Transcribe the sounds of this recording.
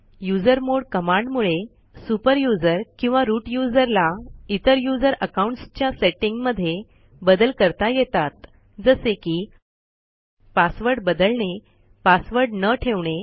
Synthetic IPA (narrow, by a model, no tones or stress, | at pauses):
jud͡zəɾmoɽkəmãɳɖmuɭe | supəɾjud͡zəɾkĩw̃ʋaɾuːʈjud͡zəɾlait̪əɾjud͡zəɾəkauɳʈst͡ɕjaseʈiŋɡməd̪ʱːje | bəd̪əlkəɾt̪ajet̪at̪ | d͡zəsekiː | pasʋəɾɽbəd̪əlɳe | pasʋəɾɽnəʈʰeʋɳe